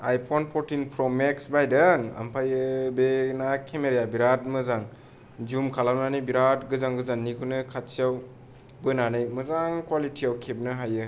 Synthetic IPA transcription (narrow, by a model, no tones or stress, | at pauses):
ajpʰɔnpʰɔɾtinpʰɾɔmeksbajdaŋa̰mpʰajɯbenakʰemeɾjabiɾat̚mɯzaŋ | d͡ʒumkʰalamnanɯjbiɾat̚ɡɯzaŋɡɯzanːikʰunɯkʰat̚sijaw | bɯnanɯjmɯzaŋkwalitʰiawkʰeb̚nɯɦajɯ